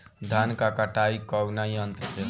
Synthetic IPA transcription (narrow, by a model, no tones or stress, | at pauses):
d̪ʱankakaʈaikɔwnaiənt̪ɾəse